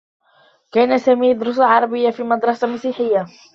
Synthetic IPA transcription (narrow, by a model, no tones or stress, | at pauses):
kaːnasaːmiːjɑd̪ɾʊs̬aʕɑɾˤɑbɪjːafiːmɑd̪ɾˤɑsamasiːħɪjːa